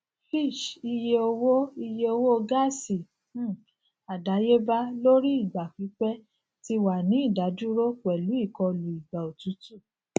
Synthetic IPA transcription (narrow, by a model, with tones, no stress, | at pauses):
fi˦˨ʃi˧je˧o˧wo˦i˧je˧o˧wo˦o˧ɡa˦˨si˨˦˨ | a˨da˨˦je˦ba˦lo˦ɾi˦i˦˨ɡ͡ba˨fi˨˦k͡pɛ˦ | ti˧wa˨nĩ˨˦i˦˨da˨˦d͡ʒu˦ɾo˦k͡pɛ˨lu˨˦i˦˨kɔ˧le˨i˨ɡ͡ba˨o˨tu˨˦tu˦˨